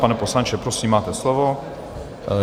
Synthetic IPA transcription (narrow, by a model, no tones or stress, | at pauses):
panɛposlant͡ʃɛpɾosiːmːaːt̪ɛslovo